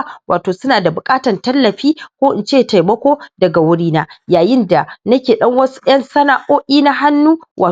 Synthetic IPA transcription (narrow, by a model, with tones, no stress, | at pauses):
waː˨toː˨sʊ˦naː˨da˨bʊ˨kʼaː˦tɐ˨ntɐ˦lːɐ˨ɸiː˦kʷoː˦ʔɪ˨nt͡ʃeː˦˨ta˨jmɐ˦kʷoː˦dɐ˨ɡa˨wʊ˦ɽiː˦naː˦jaː˨jɪ˦nda˨nɐ˦kʲeː˨ɗɐ˦ŋwɐ˦su̥˦ʔj̰ɐ˦nsɐ˦na˦˨ʔoː˦ʔʲiː˦na˦ɦa˦nːuː˦wʔaː˨